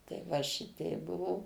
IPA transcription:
tɐɪ ˈʋɐ ˈʃʲɪtʲɛɪp ˈbʊʋoː

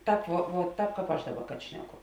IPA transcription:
ˈtɑːp ʋuɔ ʋuɔ ˈtɑːp ˈkɑːp ˈɐʃ ˈdɑːˌbɐ kɐt ˈʃʲnʲæːˌkʊ

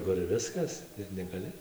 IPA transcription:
kʊr ˈʋʲɪskɐs ɪr nʲɛɡɐˈlʲɪ

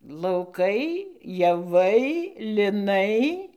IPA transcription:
lˠɐʊˈkɐɪ jɛˈʋɐɪ lʲɪˈnɐɪ

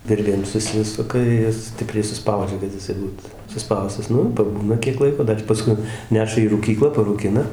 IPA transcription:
ˈʋʲɪrʲʋʲeːm sʊˈsʲɪsʊkɐ ˈjɪs ˈsʲtʲɪpʲrʲɛɪ sʊˈspɐʊd͡ʒʲɛ kɐt jɪˈsɐɪ ˈbuːt sʊˈspɐʊstɐs ˈnʊ ɪr pɐˈbuːnɐ kʲiɛk ˈlˠɐɪkoː ˈdɐr pɐˈskʊɪ ˈnʲæːʃɐ iː ruːˈkʲiːklˠɑː pɐruːˈkʲɪnɐ

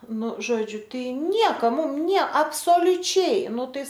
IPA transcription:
ˈnʊ ˈʒoːd͡ʒʲʊ ˈtɐɪ ˈnʲiɛkɐ ˈmʊm ˈnʲiɛ ɐpsoːlʲʊˈt͡ʃʲɛɪ ˈnʊ ˈtɐɪ

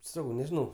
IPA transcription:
ˈsɑːkɐʊ nʲɛʒʲɪˈnɐʊ

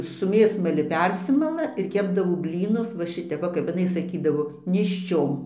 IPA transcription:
sʊ ˈmʲeːsmɐlʲɪ ˈpʲɛrʲsʲɪmɐlˠɐ ɪr ˈkʲæːbdɐʋoː ˈbʲlʲiːnʊs ʋɐ ˈʃʲɪtʲɛp ˈʋɐ kɐp ɪˈnɐɪ sɐˈkʲiːdɐʋoː nʲeːʃʲˈt͡ʃʲoːm

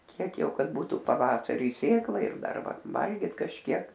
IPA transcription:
ˈkʲiɛk ˈjɛʊ ˈkɐt ˈbuːtʊ pɐˈʋɑːsɐrʲʊɪ ˈsʲeːklˠɐɪ ɪr ˈdɐr ˈʋɐ ˈʋɐlʲɡʲiːt kɐʃʲˈkʲiɛk

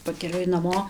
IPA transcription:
pɐkʲɛˈlʲʊɪ nɐˈmoː

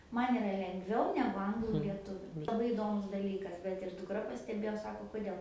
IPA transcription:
ˈmɐn ɪˈrɐ lʲɛŋɡˈʋʲɛʊ nʲɛɡʊ ˈɐŋɡlˠuː lʲiɛˈtʊʋʲʊ lˠɐˈbɐɪ ɪˈdoːmʊs dɐˈlʲiːkɐs bʲɛt ɪr dʊkˈrɐ pɐsʲtʲɛˈbʲeːjoː ˈsɑːkoː kʊˈdʲeːlˠ

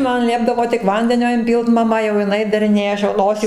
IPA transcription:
ˈmɐn ˈlʲiɛbdɐʋoː tʲɪk ˈʋɐnʲdʲɛnʲoː ɪnʲˈpʲiːlˠt mɐˈmɐ jɛʊ jɪˈnɐɪ dɐrʲɪˈnʲeːjɛ ˈɐʃ jɛʊ ˈnoːsʲiː

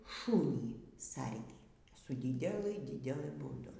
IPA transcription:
ˈʃuːnʲiː ˈsɐrʲɡʲiː sʊ ˈdʲiːdʲɛlˠɨ ˈdʲiːdʲɛlˠɨ buːˈdʊ

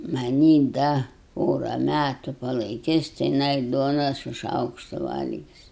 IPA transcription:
mɐˈnʲiː ˈdɐ ˈpoːrɐ ˈmʲætʊ pɐlˠɐɪˈkʲɪs tʲɪ jɪˈnɐɪ ˈduɔnɐ sʊ ˈʃɐʊkʃtʊ ˈʋɐlʲɡʲɪs

